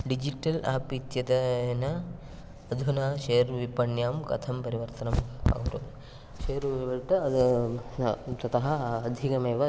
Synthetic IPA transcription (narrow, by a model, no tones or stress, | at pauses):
ɖid͡ʒiʈɐla̰ːpit̪jɐd̪ɐnɐ | ɐd̪ʱunaːʃejɐɾʋipɐɳjaːmkɐ̰t̪ʰɐmpɐɾiʋɐɾt̪ɐnɐma̰ɡuɾu | ʃeːɐɾʋʋɐʈɐ | t̪ɐt̪ɐɦɐɐd̪ʱikɐmeːʋɐ